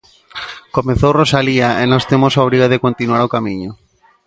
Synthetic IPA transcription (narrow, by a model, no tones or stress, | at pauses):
komẽθowrosaliaenost̪emosaoβ̞ɾiɣoðekont̪inwaɾokamĩɲo